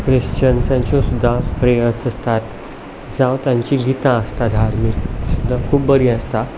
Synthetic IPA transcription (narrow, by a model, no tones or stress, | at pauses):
kɾiɕt͡ɕənt͡sãɲt͡ɕɔ̃sud̪ʱːapɾejəsəst̪at̪ | d͡zawt̪jaɲt͡ɕiɡit̪ãəst̪ad̪ʱaɾmiksud̪ʱːakʰuːp̚bəɾiəst̪a